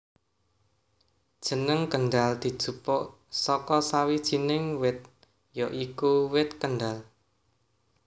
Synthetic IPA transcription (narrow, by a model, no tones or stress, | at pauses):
d̥ʒ̥ə̤nəŋkəɳɖald̪̥i̤d̥ʒ̥ṳpɔʔ | sɔkɔsawid̥ʒ̥i̤nɪŋwɪt̪̚ | jɔʔikuwɪt̪̚kənɖal